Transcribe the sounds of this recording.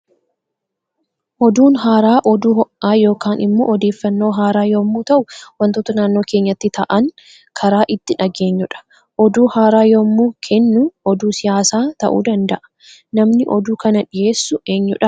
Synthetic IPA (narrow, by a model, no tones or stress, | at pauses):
ʔɔd̪uːnɦaːɾaːʔɔd̪uːɔʔaːjo̞ːkaːnɪmːo̞̰ːʔɔd̪eːfːɐnːo̞ːɦaːɾaːjoːmːuːt̪ɐʔʊwɐnt̪oːt̪ɐnaːnːo̞ːkeːɲːɐt̪ːɪt̪ɐʔɐŋ | kʰɐɾaːʔɪt̪ːɪᶑɐɡe̞ːɲːʊᶑɐ̥ | ʔɔd̪uːhaːɾaːjoːmːuːkʰɛnːʊɔd̪uːsɪjaːsaːt̪ɐ̰ʔṵːd̪ɐnd̪ɐʔɐ̥ | nɐmnɪʔɔd̪uːkɐnɐᶑɪje̞ːsːʊe̞ːɲːʊᶑɐ